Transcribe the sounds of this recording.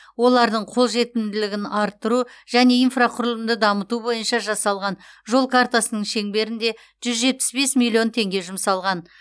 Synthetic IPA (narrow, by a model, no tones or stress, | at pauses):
wo̞lˠɑɾd̪əɴqʰo̞lˠʒe̞t̪ɪnd̪ɪlɪɡʲɪnɑɾt̪ːəɾuʒ̥æne̞infraqʰʊɾlˠəmd̪əd̪ɑmət̪ubo̞jənʃɑʒɑsɑlˠʁɑnʒo̞lˠkʰaɾt̪asənəɴʃe̞ŋbe̞ɾɪnd̪e̞ | ʒ̥ʏzʒe̞t̪̚pɪ̥sbe̞smilʲːio̞nt̪ʰe̞ŋɡʲe̞ʒʊmsɑlˠʁɑn